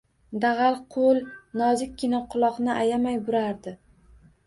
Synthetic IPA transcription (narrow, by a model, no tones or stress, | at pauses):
d̪aʁalˠqʰolˠnɒzɪkʲːɪnaqʰʊlˠɒqnɪʔajamajbʊɾaɾd̪ɪ